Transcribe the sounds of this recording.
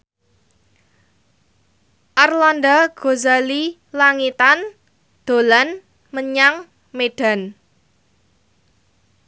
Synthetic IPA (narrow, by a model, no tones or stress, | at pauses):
ʔarlandaɡ̥o̤zali | laŋit̪an | d̪̥o̤lan | məɲaŋ | meɖ̥a̤n